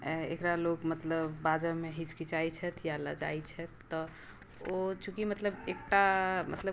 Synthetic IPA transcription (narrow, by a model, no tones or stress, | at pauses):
ḛkɾalokmət̪ləbːad͡ʒəmeɦit͡ʃkit͡ʃajt͡ʃʰɛt̪ʰjalə̰d͡ʒa̰jt͡ʃʰɛt̪ːɔ | ot͡ʃukimət̪ləbek̚ʈamə̰t̪lə